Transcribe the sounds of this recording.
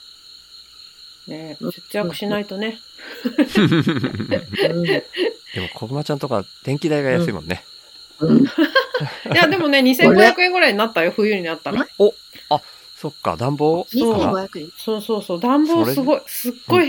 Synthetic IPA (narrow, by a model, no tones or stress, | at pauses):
ne̞set͡sɨjakɯ̟̥ɕinait̪o̞ne̞ | d̪e̞mokʰoɾɯ̟mat͡ɕãnt̪o̞kad̪̥ẽ̞ŋkʲid̪aiɡajasɨimõ̞̰nːe̞̰ | jad̪e̞mo̞ne̞ɲ̟isẽ̞ŋŋɡo̞çjakɯ̟ẽ̞ŋɡoɾaiɲinat̪ːajoɸɯ̟jɯ̟ːɲ̟inat̪ːakao | a | so̞kːa̰d̪ãmbo̞ːoːso̞ːso̞ːso̞ːd̪ãmbo̞ːsɨɡo̞isɨɡ̥ːo̞i